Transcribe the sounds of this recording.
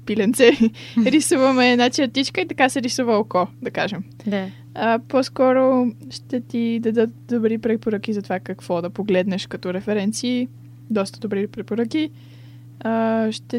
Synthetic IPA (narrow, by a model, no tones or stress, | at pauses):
pilɛnt̪sɛɾisuvɐmɛːnat͡ʃɐɾt̪it͡ʃkəit̪ɐkasɛɾisuvəokɔd̪ɐkaʒɛm | əpɔskɔɾoʃt̪ɛt̪id̪ɐd̪ɤt̪̚d̪obɾipɾɛpoɾək̟izɐt̪ovakɐkv̥ɔd̪ɐpoɡlɛd̪nɛʃkɐt̪ɔɾɛfɛɾɛnt̪siː | d̪ɔst̪əd̪obɾipɾɛpoɾɤki | əʃt̪ɛ